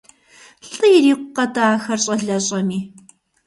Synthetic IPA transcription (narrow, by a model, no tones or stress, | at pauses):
ɬʼɨjɪriːqʷʊqɐtaːxɐrɕʼɐɮɐɕʼɐmiː